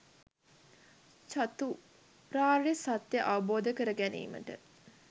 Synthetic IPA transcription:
t͡ʃat̪u | ɾaːresat̪jəʔaʋɐboːd̪əkəɾəɡænḭːmə̰ʈə̰

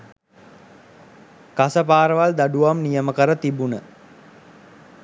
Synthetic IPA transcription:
kasəpaːɾəʋald̪aɖuʋamnijəməkəɾət̪ibunə

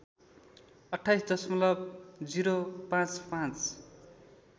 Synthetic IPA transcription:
ʌʈʰːajsd̪ʌsmʌlʌb̚d͡ziɾopãt͡spãt͡s

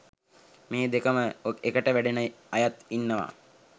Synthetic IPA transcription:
meːd̪ekəməokekəʈəʋæɖenə | ajat̪inːəʋa̰ː

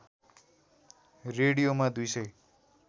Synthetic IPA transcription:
reɽijomad̪ujsʌj

